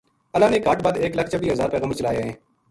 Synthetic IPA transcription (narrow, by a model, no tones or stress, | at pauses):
əlaːneːkaːʈbaːd̪eːkləkʰt͡ʃəbiːɦɐzaːɾpɛːɣəːməɾt͡ʃəlaːjeɦɛ̃ː